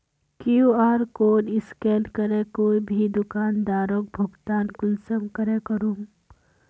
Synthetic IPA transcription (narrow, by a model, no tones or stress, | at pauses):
kiuaːɾkoːnɪskɛːnkɐɾẽkoːibʱid̪ʊkaːnd̪aːɾõːk̚bʱʊɡt̪aːnkʊlsəmkɐɾekɐɾuːm